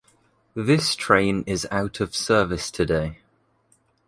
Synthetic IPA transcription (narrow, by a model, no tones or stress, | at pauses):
ðɪstʰɹ̥ẽɪ̃nɪzaʊtʰəv̥sɜːvɪstʰədeɪ